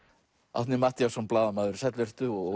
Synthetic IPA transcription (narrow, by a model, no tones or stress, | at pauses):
a̰t̪nɪmaːht̪jawsɔnplaːðamaːðʏɾ̥sɛt̪lvɛr̥t̪ʏɔɣ